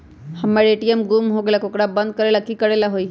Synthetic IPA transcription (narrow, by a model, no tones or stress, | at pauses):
həmaɾeʈiəmɡumɦoɡelakokɽabə̃nd̪̚kəɾelakikəɾelaɦoi